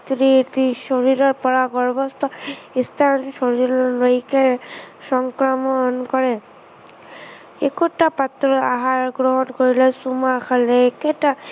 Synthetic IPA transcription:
t̪ɾitisoɹiɹɔɹpɔɹaɡɔɹbɔst̪ɔist̪ʰansɔɹiɹɔloikɛsɔŋkɹɔmɔnkɔɹɛ | ekutapat̪ɹɔaɦaɹɡɹɔɦɔnkoɹilɛsumakʰalɛekɛta

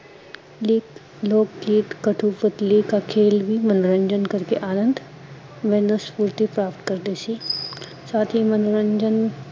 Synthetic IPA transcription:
liːk | loːkkiːt̪kɐʈʰupət̪likakʰeːlbʱimɐnoɾə̃ɲd͡ʒənkɐɾkeʔaːnə̃nd̪ʱ | ʋɛːnəspuːɾt̪ipɾaːpʈ̪kɐɾd̪eːsiː | saːt̪ʰɦimɐnoɾə̃ɲd͡ʒən

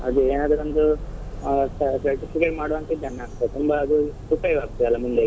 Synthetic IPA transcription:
ɐd̪ueːnaːd̪ɐɾond̪u | sɐsɐɾʈipʰikeʈmaːɽoʋɐnt̪id͡ʒɐnːɐaːɡt̪ːet̪umbɐːd̪usupɐjʋaːɡ̚t̪ɐlːɐmund̪e

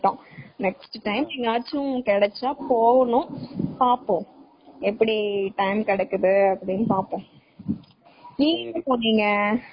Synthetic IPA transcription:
ʈːõːnɛksʈʈɐɪmnĩːŋɡɐaːt͡ʃːʊ̃kɛɽɛt͡ʃːaːpoːɣɐnʊ̃paːpːõ | ɛpːɐɽiʈɐɪmkɛɽɐkːɯðɯɐpːɐɽɪnːɯpaːpːõː | niːŋɡɐnɐpoːnːiːŋɡɐ

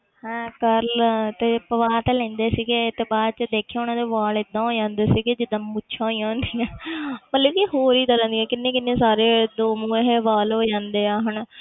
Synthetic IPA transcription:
ɦɛ̃ːkəɾlt̪eːpəʋaːt̪eːlɛ̃ːnd̪eːsiːɡet̪eːbaːd̪̚t͡ʃəd̪eːkʰːjaʊnãːd̪eːʋaːlɪd̪ːãːɦoːd͡ʒãːnd̪eːsiːɡed͡ʒɪd̪əmːʊtːʃʰãːiːãːnd̪iːãːmət̪ləbkiːɦoːɾiːt̪aːlə̃ːnd̪ijɛ̃ːkɪnːẽːkɪnːeːsaːɾeːd̪oːmũːẽɦeːʋaːlɦoːd͡ʒãːnd̪eːaːɦən

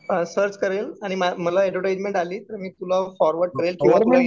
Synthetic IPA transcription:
əsəɾt͡ɕkəɾelaɽ̃imaməlaɛɖʋəʈed͡ʑmẽɳʈaliːt̪əɾmiːt̪ulafɔɾʋəɾɖkəɾelkĩʋaə

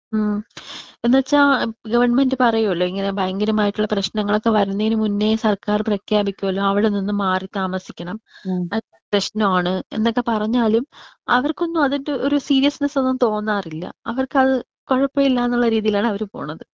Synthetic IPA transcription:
enːɐt͡ɕːaɡɐʋɐrɳme̞ndɨpɐrɐjuuɭːoiŋːɐne̞baːŋɡinumaːjiʈːuɭːɐprɐɕnɐŋːɐɭo̞kːe̞ʋɐɾunːiŋːɡinɨmunːesɐrkaːrprɐkʰjaːbikʲːumɐlːuɐʋiɽeninːumaːrit̪aːmɐsikʲːɐɳɐmɐ | prɐɕnɐmaːɳɨe̞̰nːokːe̞pɐrɐɲːaːlum | ɐʋɐrko̞nːumɐðindeʔoɾusiːɾijɐsnɐsonːuːt̪o̞ːnːaːrilːɐ̰ɐʋɐrkɨɐðɨ | koɻɐpːɐilːaːenːuɭːɐɾiːðijilaːɳɨɐʋɐɾupo̞̰ːɳɐðɨ

